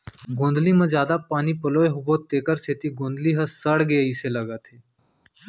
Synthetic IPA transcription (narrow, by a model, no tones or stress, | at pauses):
ɡõːnd̪limɐ̃d͡ʒjaːd̪apaːnipəloːeɦʊbot̪eːkəɾseːt̪iɡõːnd̪liɦəsəɽɡeiːseləɡət̪ʰeː